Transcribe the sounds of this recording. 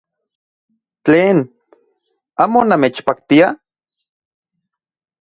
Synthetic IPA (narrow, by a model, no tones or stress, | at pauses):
t͡ɬeːn | aːmonameːt͡ʃpakt̪ia